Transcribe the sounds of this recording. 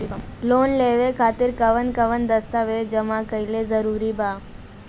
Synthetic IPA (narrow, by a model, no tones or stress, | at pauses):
loːnleʋekʰaːt̪ɪɾkəʋənkəʋənd̪əst̪aʋed͡ʒəmakəilezəɾuːɾibaː